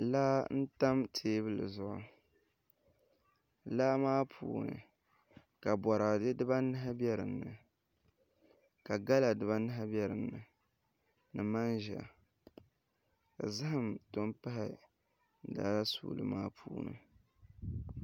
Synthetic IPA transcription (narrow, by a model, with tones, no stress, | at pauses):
laː˦n̩˦ta˦mtʰeː˦βɨ˦lɨ̰˨zʊ˦ʔʊ˨ | laː˦maː˦pʰṵː˨nɨ̰˨ | ka˨bɔ˨ɾa˨dɨ˦dɨ˦ba˦nɨ˦ɦa˦bɛ˦ɾɨ˨nːɨ˨ | ka˨ɡa˦la˨dɨ˨βa˦nɨ˦ɦa˦bɛ˦ɾɨ˨nːɨ˨ | nɨ˨ma˦nʒa̰˨ | ka̰˨za˦hɨ˨mto˦mpa˦hɪ˨˦˨ | daː˦la˦sṵː˦lɨ̰˨ma̰ː˦pʰuː˦nɨ̰˨